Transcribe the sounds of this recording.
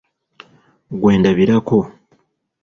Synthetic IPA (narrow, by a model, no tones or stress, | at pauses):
ɡwe̞ːndaβiɾako